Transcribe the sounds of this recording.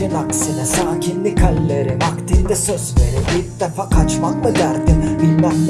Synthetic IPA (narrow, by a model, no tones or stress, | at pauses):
inaksɯnɯsaːcʰinlʲikʰalʲlʲeɾimakt̪ʰind̪ɛsøzlʲeɾibiɾd̪efaːkʰat͡ʃmaklˠaɟaɾd̪ɯmbilʲmanʲ